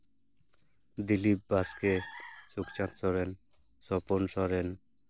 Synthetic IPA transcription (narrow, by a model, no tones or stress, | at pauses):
d̪ilip̚baskesukt͡ɕãt̪sɔɾen | sɔponsɔɾen